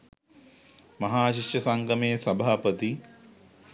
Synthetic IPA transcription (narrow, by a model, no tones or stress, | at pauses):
mɐɦaːʃiʃjɐsɐŋɡɐmesɐbʱaːpət̪i